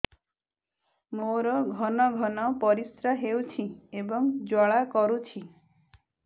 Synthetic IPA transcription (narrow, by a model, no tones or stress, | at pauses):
moɾɔɡʱɔnɔɡʱɔnɔpɔɾisɾaɦewt͡ʃʰiebɔŋd͡ʒɔɭakɔɾut͡ʃʰi